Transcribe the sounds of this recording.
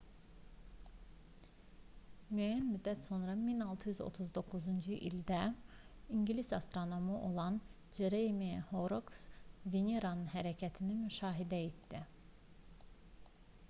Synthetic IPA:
myæjænmyd̪ːæt̪so̞nɾɑminɑlˠt̪ʰɯjyzo̰t̪ʰuzd̪o̞kːuzund͡ʒɯʔild̪æ | iɲɟlisɑ̰st̪ɾo̞no̞muʔo̞lˠɑn | d͡ʒeɾemehoɾoksvenʲeɾanɯnɦæɾæcʰæt̪ʰinimyʃɑːɦid̪æet̪d̪i

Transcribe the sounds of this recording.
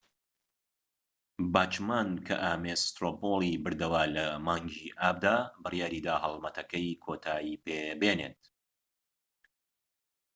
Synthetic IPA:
baːt͡ʃmaːnkʰɐ̰ʔaːmest̪ɾoːpolˠibɨɾd̪ɐwaːlɐmaːŋɡiʔaːb̚d̪aːbɨrjaːɾiːd̪aːhɐlˠmɐt̪ʰɐkɐjkʰoːt̪ʰaːjiːpebeːnḛt̪̚

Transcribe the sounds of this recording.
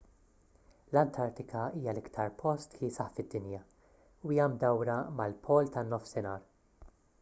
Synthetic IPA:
lɐnt̪ʰɐɾt̪ɪkʰɐiːjɐlɪkt̪ʰɐɾpʰɔst̪kisɐħfɪd̪ːɪnjɐ | uijɐmd̪ɐwɾɐmɐlpʰɔːlt̪ɐnːɔfsɪnɐːɾ

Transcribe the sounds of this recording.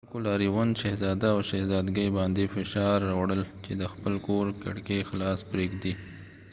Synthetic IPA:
alkolɑɾiwanʃahzɑd̪aːwʃahzɑd̪ɡəjbɑnd̪efɪʃɑɾːɑwɽəlt͡ʃed̪əxpəlkoɾka̰ɽkexlɑspɾeɡd̪i

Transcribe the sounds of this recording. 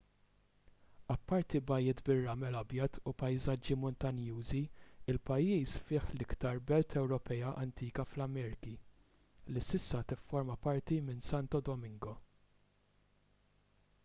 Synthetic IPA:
ɐpːɐɾt̪ibɐjɪt̪bɪrːɐmɛlɐbjɐt̪upɐjzɐd͡ʒːimɔnt̪ɐnjuːziɪlpɐjːiːsfɪːħlɪkt̪ɐɾbɛlt̪ʰɛwɾɔpɛjɐʔɐnt̪iːkɐflɐmɛːɾɪki | lisɪsːɐt̪ɪfːɔɾmɐpɐɾt̪imɪnsɐnt̪ɔd̪ɔmɪŋɡɔ

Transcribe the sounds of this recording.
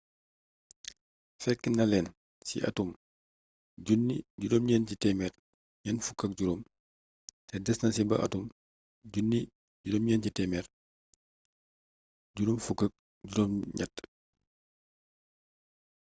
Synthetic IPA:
fɛkːinɐlɛːn | sḭʔɐ̰tum | ɟunːiɟudɔːmɲɛncitɛmɛr | ɲɛnfukːɐk̚ɟuɾoːm | tɛdɛsnɐsibɐ̰ʔɐ̰tum | ɟunːi | ɟudɔːmɲɛncitɛmɛːr | ɟuɾɔmfukːɐk̚ | ɟuɾɔːmɲɐ̰tː

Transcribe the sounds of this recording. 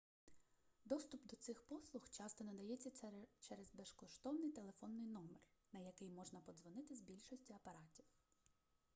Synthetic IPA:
d̪ɔst̪ʊpd̪ɔt̪sɪxpɔslˠʊxt͡ʃɑst̪ɔnɐd̪ɐjɛt͡sʲːɐt͡ʃɛɾɛzbeʃkɔʃt̪ɔwnɪjt̪e̞lˠe̞fɔnːɪjnɔmernɐjɐkɪjmɔʒnɐpɔd̪zʋɔnɪt̪ɪzbʲilʲʃɔsʲtʲiɐpɐɾɑtʲiw

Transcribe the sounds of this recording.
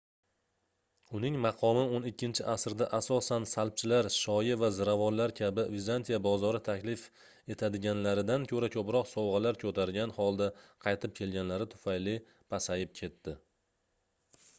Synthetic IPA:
ʊnɪŋmɑqʰɒmɪonɪkʲʰːɪnt͡ʃʰɪʔasɾd̪aʔasɒsansalˠp̚t͡ʃʰɪlaɾʃɒjɪvazɪɾavɒnlaɾkʲʰabɪvizant̪ʰijabɒzɒɾɪt̪ʰakʲlɪf | e̞t̪ʰad̪ɪɡʲanlaɾɪd̪ankʲʰɵɾakʲʰɒpɾɒqsɒwʁɑlaɾkʲʰɵt̪ʰaɾɡʲanhɒlˠd̪aqʰɑjt̪ʰɪp̚kʲʰe̞lɡʲanlaɾɪt̪ʰʊ̥fajlɪ | pʰasajɪp̚kʲʰe̞t̪ːɪ

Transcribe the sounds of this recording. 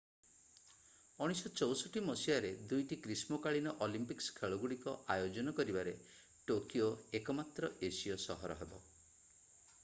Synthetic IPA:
ɔɽ̃isɔt͡ʃɔwsɔʈimɔsiaɾed̪ujʈikɾismokaɭinɔʔɔlimpikskʰeɭɔɡuɽikɔʔajod͡ʒɔnɔkɔɾibaɾe | ʈokioekɔmat̪ɾɔʔesijɔsɔɦɔɾɔ̰ɦebɔ

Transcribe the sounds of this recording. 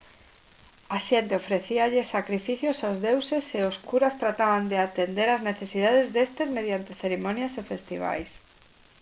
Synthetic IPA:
aʃent̪eofɾeθiaʎɪsakɾifiθjosaozðewseseoskuɾast̪ɾat̪aβand̪eat̪end̪eɾazneθesið̞að̞ezðest̪ezmeð̞jant̪eθeɾemonjasefest̪iβ̞a̰js

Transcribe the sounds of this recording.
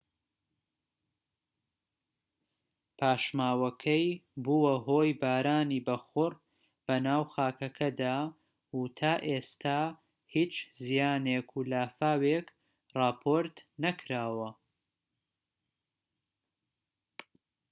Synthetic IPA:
pʰaːʃmaːwɐkʰɐjbuːwɐɦoːjbaːɾaːniːbɐxʊr | b̥ɐnaːwxaːkɐkʰɐd̪aː | ut̪ʰaːʔest̪ʰaː | hiːt͡ʃzijaːnekʰulaːfaːwek | rɑːpʰoɾt̪nɐkʰɾaːwɐ

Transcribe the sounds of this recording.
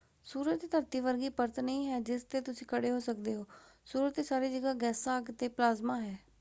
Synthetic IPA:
suːɾət̪d̪əɾt̪iːʋəɾɡiːpəɾt̪nəĩːɦɛːd͡ʒɪst̪eːt̪ʊsĩːkəɽeːɦoːsəkd̪eːɦoːsuːɾət̪eːsaːɾeːd͡ʒəɡaːɡɛːsaːɡt̪eːplaːzmaːɦɛː

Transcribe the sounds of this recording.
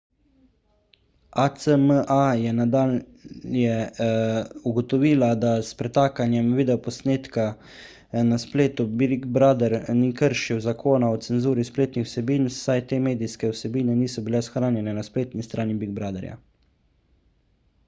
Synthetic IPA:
at̪səməʔajɛnad̪aːl | jɛ | uɡɔt̪ɔʋiːlad̪aspɾɛt̪aːkanjɛmʋiːd̪ɛɔpɔsneːt̪ka | naspleːt̪ubiɡbɾaːd̪ɛɾnikəɾʃiwzakʰoːnaɔt̪sɛnzuːɾispleːt̪nixw̥sɛbiːnsajt̪eːmeːd̪ijskɛwsɛbiːnɛniːsɔbilɛsxɾaːnjɛnɛnaspleːt̪nist̪ɾʔaːnibiɡ̚bɾaːd̪ɛ̰ɾja̰

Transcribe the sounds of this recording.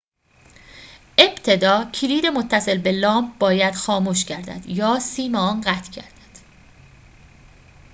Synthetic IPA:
ʔe̞b̥t̪ʰe̞d̪ɒːcʰiliːd̪emot̪ʰːæse̞lbe̞lɒːmp̚b̥ɒːjæd̪̥xɒːmuːʃcʰæɾd̪æ̰d̪̥jɒːsiːmeɒːnɢæt̪ʰcʰæ̰ɾd̪̥æ̥d̪̥

